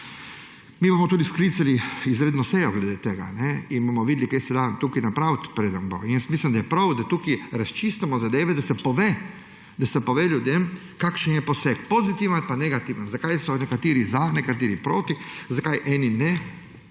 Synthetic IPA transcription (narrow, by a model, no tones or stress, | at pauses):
mibomɔt̪uːd̪iskliːt̪saliizɾeːd̪nɔsejɔɡled̪eːt̪eɡa̰nɛinbomɔʋid̪likejsɛd̪at̪ukinapɾawt̪pɾeːd̪anbo̰nɛnsmiːslimd̪ajɛpɾawd̪at̪uːkiɾast͡ʃist̪ɛmɔzad̪eːʋɛd̪asɛpoʋeː | d̪asɛpoʋeːlʲjud̪em | kakʃɛnjɛposekpozit̪iʋanalpaneɡat̪iːʋanzakajsɔnɛkat̪iːɾizanɛkat̪iɾipɾoːt̪izakajʔɛːninɛ